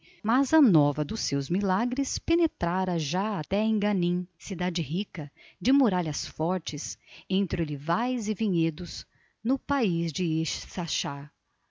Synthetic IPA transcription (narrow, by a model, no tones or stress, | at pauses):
mɐzɐnɔvɐd̪ʊsːewzmilaɡɾɪspenet̪ɾaɾɐʒaat̪ɛẽɡɐ̃nĩsid̪ad͡ʒɪɦikɐ | d͡ʒɪmuɾaʎɐsfɔɾt͡ʃɪsẽnt̪ɾɪʊlivajzɪvĩɲed̪ʊz | nʊpaizd͡ʒɪeʃsaʃa